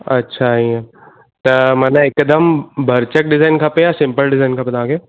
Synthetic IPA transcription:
ɐ̰tːʃʰaɦiɛ̃ | t̪ɐmɐnãekd̪əmbʱɐɾt͡ʃək̚ɖɪzaːɪnkʰɐpẽjasɪ̃mpəlɖɪzaːɪnkʰɐpə̃d̪ãːɡe

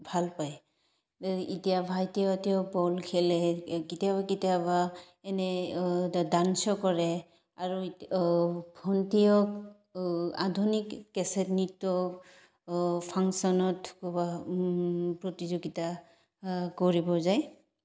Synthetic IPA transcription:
bʱalpaj | itijabʱajtiɔtiɔbɔlkʰilɛkitijabakitijaba | ɛnɛ | dansɔkɔɹɛ | aɹu | bʰɔntijɔk | a̰dʱunikːɛsɛtnitːɔ | pʰaŋsɔnɔtkuba | pɹɔtizoɡita | kɔɹibɔzaj

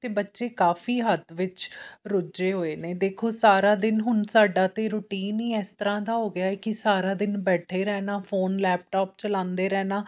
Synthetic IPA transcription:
t̪eːbətːʃeːkaːfiːɦət̪ʋɪt͡ʃɾʊd͡ʒeːɦoːeːneːd̪eːkʰoːsaːɾaːd̪ɪnɦʊnsaːɖaːt̪eːɾʊʈiːniːɛːst̪əɾãːd̪aːɦoːɡɪjaːɛːkɪsaːɾaːd̪ɪnbɛːʈʰeːɾɛːnaːfʰoːnlɛːp̚ʈaːp̚t͡ʃəlãːnd̪eːɾɛːnaː

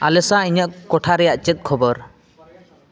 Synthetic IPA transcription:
a̰lɛsaiɲəʔkɔʈʰaɾɛjaʔt͡ʃɛt̪̚ˀkʰɔbɔɾ

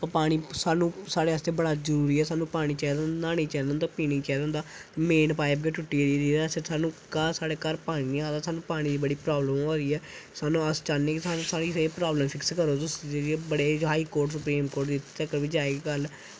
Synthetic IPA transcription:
ppaːɽ̃iːsaːnũːsaːɽeːəst̪eːbəɽaːzəɾuːɾiːɛːsaːnũːpaːɽ̃iːt͡ʃɛːd̪ənd̪aːnẽːt͡ʃɛːd̪ə̃nd̪aːpiːnĩːt͡ʃɛːd̪ə̃ːnd̪aːmeːnpaːɪp̚ɡeːʈʊʈːiːɽid̪iːɛsesaːnũːkasaːɽeːkəɾpaːɽ̃iːniãːd̪aːsaːnũːpaːɽ̃iːd̪iːbəɽiːpɾaːbləmoːɾiːɛː | saːnũːəst͡ʃaːnnẽːkɪsaːnːsaːɾiːseːpɾaːbləmfʰɪkskəɾoːt̪ʊsd͡ʒed͡ʒbəɽeːɦaːiːkoːɾʈsʊpɾiːmkoːɾʈd̪ɪt̪ːəkːəɾʋiːd͡ʒaːeɡɡəl

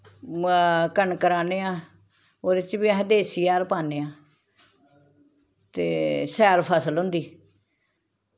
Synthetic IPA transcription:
kəɳkəɾaːneːãː | oːd̪ɪt͡ʃbiəɦd̪eːsiːaːɾpaːneːãː | t̪eːsɛːɾpʰəsəlɦʊ̃nd̪iː

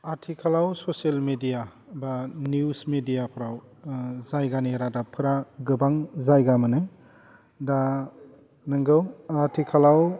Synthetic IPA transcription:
aɾtʰikʰalawsoselmedija | banusmedijapʰɾawzajɡaneɾadapʰɯɾaɡɯbaŋzajɡamɯnɯ | da | nɯŋɡɯwatʰikʰalaw

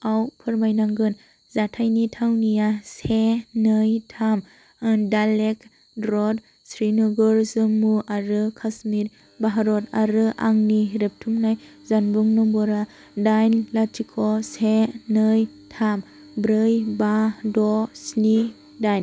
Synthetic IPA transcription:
awpʰɯɾmajnaŋɡɯn | zatʰajnitʰawnijasenɯjtʰam | dalek | dɾɔd | sɾinɔɡɯɾzɯmuʔaɾɯkʰasmit | baɦaɾɔtaɾɯʔaŋniɾep̚tʰumnajzanbɯŋnɔbɔɾa | dajnlatʰikʰɔsenɯj | tʰam | bɾɯjbadɔsni | dajn

